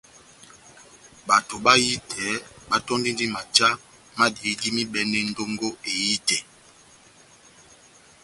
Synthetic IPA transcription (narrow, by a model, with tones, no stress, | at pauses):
ɓa˨to˨ɓa˦ji˦tʰɛ˨˦ɓa˦tɔ˦ndi˦ndi˦ma˨t͡ʃa˦ | ma˦di˨˦di˦mi˦ɓɛ˦nɛ˦n˦do˦ŋɡo˦e˨ji˦tɛ˨